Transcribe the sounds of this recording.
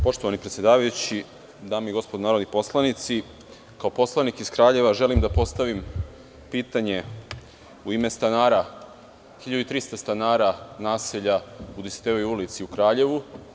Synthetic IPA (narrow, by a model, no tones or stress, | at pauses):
po̞ʂt̪oʋanipɾet̪sjed̪aːʋajut͡ɕi | d̪aːmiɡo̞spod̪naɾod̪nipo̞slˠanit̪si | kaopo̞slˠanikiz̥kɾaːʎe̞ʋaʒe̞limd̪apo̞st̪aʋim | piːt̪aɲe̞ | uimest̪anaːɾa | xiʎad̪uit̪ɾist̪ast̪anaːɾanaːseʎaud̪ise̥t̪eʋojulit̪siukɾaːʎe̞ʋu